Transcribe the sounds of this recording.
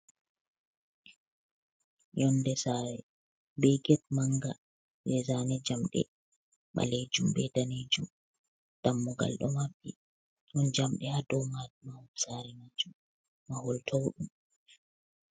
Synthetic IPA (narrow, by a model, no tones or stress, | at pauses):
jɔndɛsaːɾɛ | bɛɡɛt̚maŋɡa | ɓɛzaːnɛd͡ʒamɗɛ̰ | ma̰led͡ʒumbɛdaned͡ʒum | d̥amːuɡa̰lɗɔ̰mabi | hund͡ʒamɗɛhadɔwmamahɔsaːɾɛmad͡ʒum | mahɔltʰɔwɗum